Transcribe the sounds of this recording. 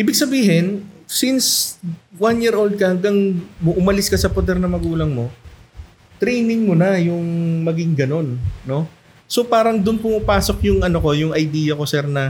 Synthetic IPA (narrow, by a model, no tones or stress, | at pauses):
ʔiːbɪɡ̚sɐbiːɦɪnsinswanjiːɾʔowld̪̚kɐhɐŋɡɐŋʊʔʊmɐlɪskɐsɐpod̪ɛɾnɐmɐɡuːlɐŋmo̞ | t̪ɾɛjnɪŋmonɐjʊŋmɐɡɪŋɡɐno̞nːo̞ | so̞paːɾɐŋd̪ʊnpʊmʊpaːso̞k̚jʊŋʔɐno̞ko̞jʊŋɐjd̪iːjɐko̞sɛɾnɐ